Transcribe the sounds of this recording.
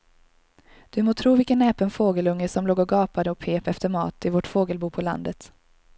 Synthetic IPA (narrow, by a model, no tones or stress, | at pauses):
d̪̥ɵmoːt̪ʰɾuːvɪlkənɛːpənfoːɡəlɵŋːəsɔmloːɡɔɡɑːpad̪əɔpʰeːpɛft̪əɾmɑ̰ːt̪ɪvoʈfoːɡəlbuːpʰɔla̰nd̪ət̪